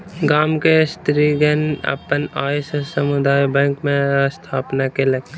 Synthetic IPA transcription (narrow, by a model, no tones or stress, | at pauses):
ɡaːmkest̪ɾiːɡənɐ̰pənaːssəmʊd̪aːjbɛ̃ːŋkmẽst̪ʰaːpnakelɐɡ̚t̪e